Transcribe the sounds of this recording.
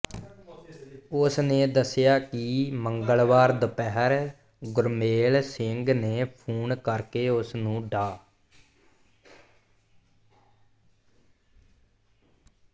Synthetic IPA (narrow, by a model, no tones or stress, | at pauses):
ʊsneːd̪əsɪjaːkɪməŋɡəɭʋaːɾd̪əpɛɦəɾ | ɡʊɾmeːlsɪŋɡneːpʰuːɳkəɾkeːʊsnũːɖaː